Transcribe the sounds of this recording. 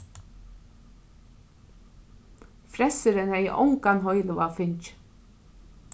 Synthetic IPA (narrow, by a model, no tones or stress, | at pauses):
fɾɛsəɾənæɪʔɔ̰ŋkɑnɦɔʏləʋɑːfʏɲt͡ʃ